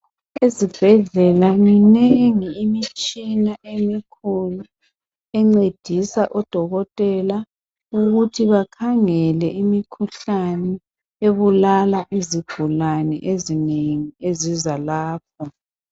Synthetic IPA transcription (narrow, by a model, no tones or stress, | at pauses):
ezib̥ʱɛɮɛlaŋinɛŋiːmit͡ʃʼinaʔemikʰulu | ɛŋ͡ǀed̥ʱisaʔɔd̥ʱɔɣɔtʼɛla | uɣutʰiβakʰaŋɛlɛʔimikʰuɬanɛ | eβulalaʔiziɡ̥ʱulanɛ̰ʔezineŋiezizalaːp̚ʰɔ